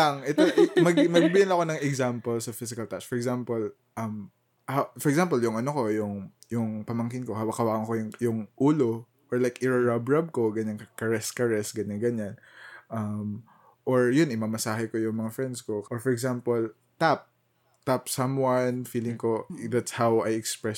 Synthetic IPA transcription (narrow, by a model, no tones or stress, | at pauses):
ɐŋʔɛt̪omɐɡmɐɡbɪɪlɐko̞nɐŋɛɡzampolsɐfɪsɪkɐlt̪aʔsfɔɹɛɡzampol | ʔɐm | hafɔɹɛksamp̬oljʊŋʔɐnoko̞jʊŋjʊŋpɐmɐŋkɪnko̞hɐwɐkhɐwaːkɐŋkojʊŋjʊŋʔuːlo | ʔɔɹlajkɪɹɐɹabɹab̚ko̞ɡɐɲaŋkkɐɹɛskɐɹɛsɡɐɲanɡɐɲan | ʔɐm | ʔoɹjʊnʔɪmɐmɐsaːɦɛkojʊŋmɐŋafɹɛnd̪skoʔɔɹfɔɹɛɡzampol | t̪ap̚ | t̪apsɐmwɐnfiːlɪŋkod̪at̪shawʔɐjɛkspɹɛ